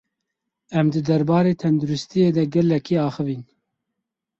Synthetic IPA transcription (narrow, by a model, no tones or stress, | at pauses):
ɛmd̪ɨd̪ɛɾbɑːɾeːt̪ʰɛnd̪uɾɪst̪ijeːd̪ɛɡɛlɛkʰiːɑːxɨviːn